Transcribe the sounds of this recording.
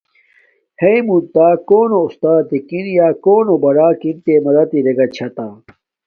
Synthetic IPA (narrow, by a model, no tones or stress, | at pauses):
hejmunt̪aːkoːnoust̪aːt̪ikinjaːkoːnobɐɾaːkint̪emɐɾɐt̪iɾeɡɐt͡ɕʰɐt̪aː